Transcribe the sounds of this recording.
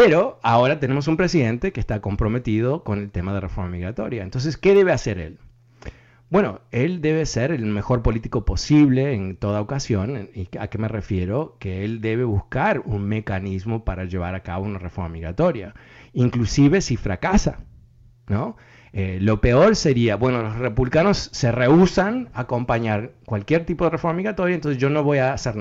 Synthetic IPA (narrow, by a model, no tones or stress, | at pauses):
peɾo̞ao̞ɾat̪ene̞mo̞s̬umpɾes̬iðe̞nt̪e̞keːst̪ako̞mpɾo̞me̞t̪ið̞o̞ko̞ne̞lt̪emaðerefo̞ɾmamiɣɾat̪o̞ɾjaent̪ons̬eskeðe̞βeaseɾe̞̰l | bwe̞no̞̰eld̪e̞β̞eseɾelme̞xo̞ɾpo̞lit̪iko̞po̞siβ̞le̞ːnt̪o̞ðaokasjo̞nia̰kemerefjeɾo̞keeld̪e̞βe̞βuskaɾunme̞kanizmo̞paɾaʒe̞β̞aɾaka̰βo̞unarefo̞ɾmamiɣɾat̪o̞ɾja̰iŋklusiβe̞sifɾakasa̰ | no | elo̞pe̞o̞ɾse̞ɾiabwe̞nolosrepuβlikano̞sːe̞reusanako̞mpaɲaɾkwalkjeɾt̪ipo̞ð̞erefo̞ɾmamiɣɾat̪o̞ɾjaent̪onseʒonoβo̞jaːseɾn